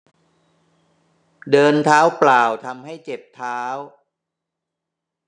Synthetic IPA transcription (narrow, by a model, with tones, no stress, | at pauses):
dɤː˧nt̪ʰaː˦˥wplaː˨˩wt̪ʰa˧mha˥˩jt͡ɕe˨˩p̚t̪ʰaː˦˥w